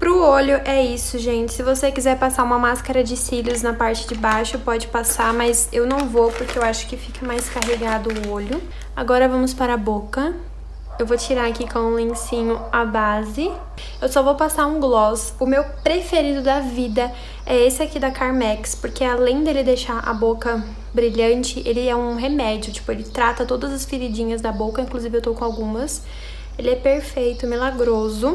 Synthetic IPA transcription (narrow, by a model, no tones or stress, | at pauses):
pɾʊoʎʊʔɛisʊʒẽt͡ʃɪ̥sɪvosekizɛɾpasaũmɐmaskaɾɐd͡ʒɪsiʎʊznɐpaɾt͡ʃɪd͡ʒɪbajʃʊpɔd͡ʒɪpasamɐzewnɐ̃w̃vopʊɾkeewaʃʊ̥kɪfikɐmajskaɦeɡad̪ʊʊoʎʊ | aɡɔɾɐvɐ̃mʊspaɾabokɐ | ewvot͡ʃiɾaɾakikõw̃ũlẽsĩɲʊabazɪ | ewsɔvopasaɾũɡlɔs | ʊmewpɾefeɾid̪ʊd̪ɐvid̪ɐ | ɛesɪakid̪ɐkaɾmɛkspoɾkealẽj̃d̪elɪd̪eʃaɾʔa̰bokɐ | bɾiʎɐ̃nt͡ʃɪʔelɪɛũɦemɛd͡ʒiʊt͡ʃi̥pʊelɪt̪ɾat̪ɐt̪od̪ɐzɐsfiɾid͡ʒĩɲɐzd̪ɐbokɐĩŋkluzivɪewt̪owkõawɡũmɐs | elɪɛpeɾfejt̪ʊmilaɡɾozʊ